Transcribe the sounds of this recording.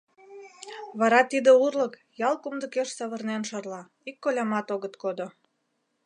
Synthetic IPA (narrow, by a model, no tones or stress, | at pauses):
βɑɾɑt̪id̪ə̆urlə̆k | jɑlˠkumd̪ə̆keʃsɑβə̆rnenʃɑrlɑ | ikːolʲɑmɑt̪oɣət̪kod̪o